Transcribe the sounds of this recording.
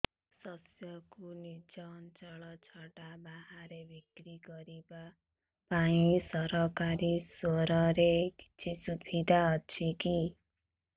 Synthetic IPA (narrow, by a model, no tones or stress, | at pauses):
sʌsjʌkunit͡sʌnt͡sʌɭʌt͡sʰʌʈabaɦaɾebʱikɾiɡʌɾiba | paisʌɾʌkaɾisoɾʌɾei̥t͡sʰisubʰʱid̪aʌt͡sʰiki